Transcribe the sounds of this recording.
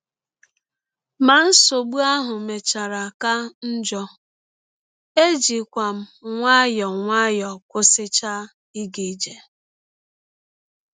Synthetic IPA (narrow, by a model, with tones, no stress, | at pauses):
ma˨n̩˦so˨ɡ͡bu˦a˦ɦʊ˨me˨t͡ʃa˨ɾa˨ka˦n̩˦d͡ʒɔ˦ | e˦d͡ʒi˨kʷa˨m̩˦ŋʷa˦jɔ˨ŋʷa˦jɔ˨kʷʊ˦sɪ˦t͡ʃa˦ | i˦ɡe˨˦d͡ʒe˨